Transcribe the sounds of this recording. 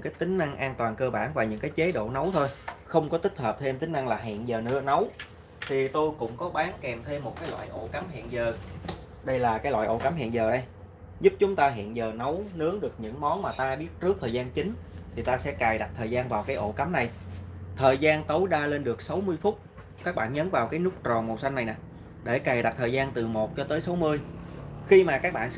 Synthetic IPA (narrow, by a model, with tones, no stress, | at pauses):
ŋkaː˨˦jt̪ï˨˦ŋ̟ʔa˧ŋʔaː˧nt̪waː˨˩nkəː˧ɓaː˧˩nvaː˨˩ɲɨ̰˧˥ŋkaː˨˦jt͡ɕe˨˦ɗo̰˧˨nə˨˦wt̪ʰo˧jxə˧wŋ͡mkɔ˨˦t̪ï˦˥k̟̚həː˨˩p̚t̪ʰe˧mt̪ï˨˦ŋ̟ʔa˧ŋlaː˨˩ɦḭ˧˨ənzəː˨˩nɨ̰˧˥ənə˨˦w | t̪ʰi˨˩t̪o˧jkʊ̰˧˥ŋ͡mkɔ˨˦ɓaː˨˦nkɛ˨˩mt̪ʰe˧mːo˨˩t̚kaː˨˦jlwa̰ː˧˨jʔo̰˧˩ka˨˦mɦḭ˧˨ənzəː˨˩ | ɗə˧jlaː˨˩kaː˨˦jlwa̰ː˧˨jʔo̰˧˩ka˨˦mhɦḭ˧˨ənzəː˨˩ɗə˧j | zʊ˦˥p̚t͡ɕʊ˨˦ŋ͡mt̪aː˧ɦḭ˧˨nzəː˨˩nə˨˦wnɨ˨˦˥əŋɗɨ˨˩ək̚ɲɨ̰˧˥ŋmɔ˨˦nmaː˨˩t̪aː˧ɓi˦˥ət̚t͡ɕɨ˦˥ək̚t̪ʰəː˨˩jzaː˧nt͡ɕï˨˦ŋ̟t̪ʰi˨˩t̪aː˧sɛ̰˧˥kaː˨˩jɗa˨˩t̚t̪ʰəː˨˩jzaː˧nvaː˨˩wkaː˨˦jʔo̰˧˩ka˨˦mna˨˩jt̪ʰəː˨˩jzaː˧nt̪ə˨˦wɗaː˧le˧nɗɨ˨˩ək̚sa˨˦wmɨ˧əjfʊ˦˥t̚ | kaː˦˥k̚ɓa̰ː˧˨nɲə˨˦nvaː˨˩wkaː˨˦jnʊ˦˥k͡p̚t͡ɕɔ˨˩mo˨˩sa˧jŋnːa˨˩jna̰ː˨˩ | ɗe˧˩kaː˨˩jɗa˨˩t̚t̪ʰəː˨˩jzaː˧nt̪ɨ˨˩mo˨˩t̚t͡ɕɔ˧t̪əː˨˦jsa˨˦wmɨ˧əjxi˧maː˨˩kaː˦˥k̚ɓa̰ː˧˨n